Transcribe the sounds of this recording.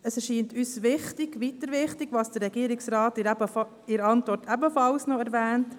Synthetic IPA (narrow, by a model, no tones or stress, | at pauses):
əsɛʃiːntyːsʋɪχtɪɡ̥ʋitəɾʋɪχtɪɡʋɑːsd̥əɾːɛɡ̥iːɾɪksɾɑːtɛbə | ɪɾɑntʋɔɾtʰɛbəfɑlsnɔɛɾʋɛːnt